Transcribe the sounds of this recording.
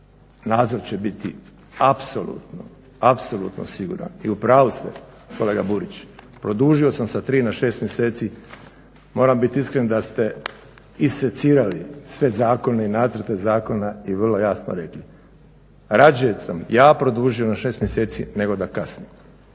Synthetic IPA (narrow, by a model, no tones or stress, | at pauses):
naːd̪zo̞ɾt͡ɕebit̪i | apso̞lˠṵːt̪no | apso̞lṵt̪no̰siɡṵːɾa̰niupɾaːʋust̪e | ko̞le̞ːɡabuɾit͡ʃpɾo̞d̪uːʒio̞samsat̪ɾiːnaʃe̞ːst̪mjese̞ːt̪si | mo̞ːɾambit̪iiskɾend̪ast̪e̞ | iset̪siːɾalisʋe̞zaːko̞neinaːt̪zəɾt̪e̞zaːko̞naiʋrlˠo̞jasno̰ɾe̞kli | ɾad͡ʒujesamjaːpɾo̞d̪uːʒio̞naʃe̞ːst̪mjese̞ːt̪sḭne̞ɡo̞d̪akasnim